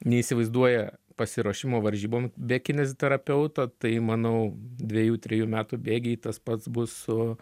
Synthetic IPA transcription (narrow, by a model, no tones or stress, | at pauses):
nʲɛiːsʲɪʋɐɪzd̪uɔjɛpɐsʲɪɾuːʃʲɪmoːʋɐɾʲʒʲiːboːmbʲɛkʲɪnʲɛzʲt̪ʲɛɾɐpʲɛʊt̪ɐt̪ɐɪmɐnɐʊd̪ʲʋʲɛjuːt̪ʲɾʲɛjuːmʲæːt̪uːbʲeːɡʲɛit̪ɐspɐt̪sbʊsʊ